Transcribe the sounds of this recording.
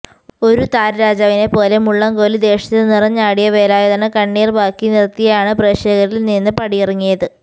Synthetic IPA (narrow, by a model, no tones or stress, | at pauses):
o̞ɾut̪aːɾɾaːd͡ʑaːʋine̞po̞ːle̞muɭːɐŋɡoːlɨd̪e̞ːʂɐt̪ːɨnirɐɲːaːɽijɐʋe̞ːlaːjɐðɐnɐkɐɳːiːrbʱaːkːinirt̪ːijɐjaːɳɨpreʂeːɣɐɾilninːɨpɐɽijirɐŋːijɐðɨ